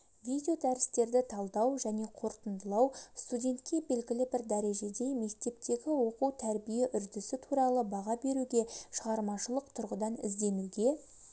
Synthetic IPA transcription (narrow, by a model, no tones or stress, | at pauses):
vʲid̪ʲejo̞d̪æɾɪst̪e̞ɾd̪ɪt̪ʰɑlˠd̪ɑwʒæne̞qʰo̞ɾt̪ənd̪əlˠɑwst̪udʲe̞nt̪kʲːe̞be̞lɡʲɪlɪbɪɾd̪æɾe̞ʒe̞d̪e̞jme̞kt̪e̞p̚t̪e̞ɡʲɪwo̞quwt̪ʰæɾbije̞ʔʏɾd̪ɪsɪt̪ʰuɾɑlˠəbɑʁɑbe̞ɾud̪e̞ʃəʁɑɾmɑʃəlˠəq̚t̪ʰʊɾʁəd̪ɑnɪ̰zd̪e̞melɡ̪ʲe̞